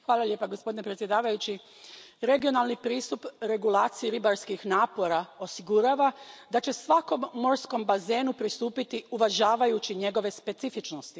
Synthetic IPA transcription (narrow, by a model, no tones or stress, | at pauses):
xʋaːlalje̞ːpaɡospo̞d̪inepɾet̪sje̞d̪aːʋajut͡ɕi | ɾe̞ɡio̞nalˠnipɾiːst̪upɾe̞ɡulˠaːt̪sijiɾibaɾskixnaːpo̞ɾao̞siɡuɾaʋad̪at͡ɕe̞sʋako̞mːo̞ɾsko̞mbaze̞ːnupɾist̪uːpit̪iuʋaʒaːʋajut͡ɕiɲe̞ɡo̞ʋe̞spe̞t̪sifit͡ʃnost̪i